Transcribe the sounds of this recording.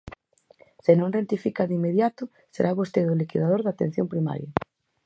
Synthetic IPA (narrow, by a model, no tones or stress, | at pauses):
sɪnõŋrent̪ifikaðimeðjat̪ʊ | seɾʔaβost̪eðʊlikiðað̞oɾðat̪ḛn̟θjompɾima̰ɾjɐ